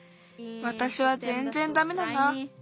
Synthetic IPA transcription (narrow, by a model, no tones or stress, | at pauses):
βat̪aɕiβazẽ̞nzẽ̞nd̪ame̞d̪ana